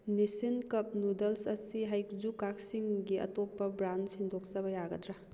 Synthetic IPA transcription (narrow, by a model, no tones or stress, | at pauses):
nisinkɐp̚nudɐlsɐsiɦajkzukak̚siŋɡiɐ̰topːɐbɾansindʱok̚sɐbɐjaɡɐdɾa